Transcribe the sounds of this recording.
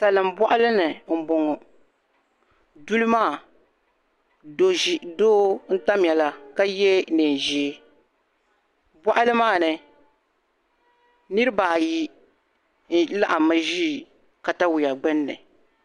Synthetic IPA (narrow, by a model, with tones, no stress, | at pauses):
sa˨lɨ˨mbɔ˦ʔa˦lɨ˦nɨ˨m̩˨bo˨ŋɔ˨ | du˦lɨ˦maː˦˨ | do˨ʒi˨doː˦n̩˦ta˦m˨ɛ˨la˦ka˦jɛ˦nɨ˨n˨ʒi˨˦ | bʷɔ˦ʔa˦lɨ˦maː˦˨nɨ˨ | nɨ˦ɾɨ˦baː˨ji˦ | n̩˦la˦ʔa˨ma˦ʒiː˦˨ | ka˨ta˦wu˨ja˨ɡ͡bɛ˦nːɨ̰˨